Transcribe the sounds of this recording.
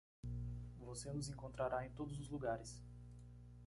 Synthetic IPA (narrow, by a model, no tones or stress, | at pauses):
vosenʊzẽŋkõnt̪ɾaɾaẽj̃t̪od̪ʊzʊzluɡaɾɪs